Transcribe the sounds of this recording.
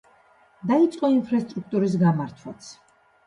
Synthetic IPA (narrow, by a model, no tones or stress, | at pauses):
d̪ait̪sʼqʼɔinpʰɾast̪ʼɾuk̚ʰt̪ʼuɾis̬ɡamaɾt̪ʰwat̪sʰ